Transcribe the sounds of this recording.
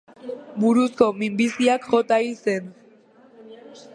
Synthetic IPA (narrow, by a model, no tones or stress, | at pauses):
buɾusko̞mimbisiakxo̞t̪aise̞n